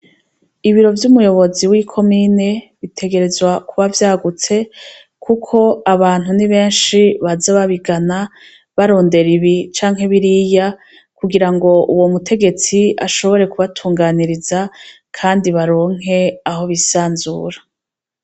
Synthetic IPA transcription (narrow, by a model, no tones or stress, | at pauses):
iβiɾo̞vjumujo̞βo̞ziwikʰo̞miːne̞ | βitʰe̞ɡe̞ɾe̞zwakʰuβavjaːɡut͡se̞ | kʰukʰo̞aβaːn̥uniβe̞ːnʃiβazaβaβiɡana | βaɾo̞ːnde̞ɾiβit͡ʃaːŋ̥ɦe̞βiɾiːja | kuɡiɾaŋɡo̞ʔuwo̞mutʰe̞ɡe̞t͡sia̰ʃo̞βo̞ɾe̞kuβatʰuːŋɡaniɾiza | kʰaːndiβaɾo̞ːŋ̥e̞aɦo̞βisaːnzṵːɾḁ